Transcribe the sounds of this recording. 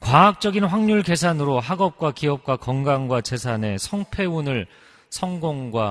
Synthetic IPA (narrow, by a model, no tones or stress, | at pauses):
kwaɦak̚t͡ɕ͈ʌɡinɸwaŋɲuɭke̞sʰanɯɾoɦaɡʌp̚k͈wakiʌp̚k͈wakʌŋɡaŋɡwat͡ɕe̞sʰane̞sʰʌŋpʰe̞unɯɭ | sʰʌŋɡoŋɡwa